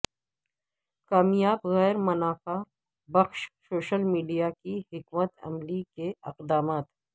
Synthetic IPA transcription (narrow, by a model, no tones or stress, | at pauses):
kaːmjaːbɣɛːɾmɐnaːfa | bɐxʃsoːʃəlmiːɖijakihɪkmət̪ɐ̰mlikeɪ̰qd̪aːmaːt̪